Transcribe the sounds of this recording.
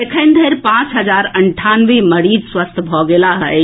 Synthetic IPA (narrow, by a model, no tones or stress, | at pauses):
ekʰəɪnd̪ʱeɾpãt͡ʃɦəd͡ʒaɾəɳʈʰanʋeməɾid͡ʒswəst̪ʰbʱɔɡelaɦə